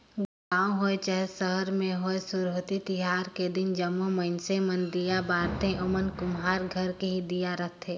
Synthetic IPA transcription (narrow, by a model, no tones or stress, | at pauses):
ɡʊlaːõɦoːet͡ʃəɦsəɦəɾmẽɦoːesʊɾoːt̪it̪ɪɦaːɾked̪ɪnd͡ʒəmːoməɪnsẽmənd̪ijabaːɾt̪ẽʔɔmənkʊmɦaːɾɡʱəɾkeɦid̪ijaɾəɦt̪ʰeː